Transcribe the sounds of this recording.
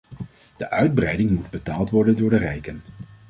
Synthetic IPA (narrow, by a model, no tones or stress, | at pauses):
d̥əʔœɥd̚brɛjdɪŋmud̚bətaːlˠtʋɔɹdəndʊːɹdərɛjkən